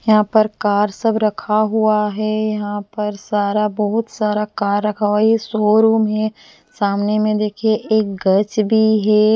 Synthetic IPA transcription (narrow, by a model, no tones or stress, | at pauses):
jɐɦãpɐɾkaːɾsɐbɾɐkʰaɦuaɦɛjɐɦãpɐɾsaːɾabɔɦʊt̪saːɾakaːɾːɐkʰaɦaisoːɾuːmɦɛ | saːmnemẽd̪eːkʰieʔeːk̚ɡɐt͡ʃbʱiɦɛː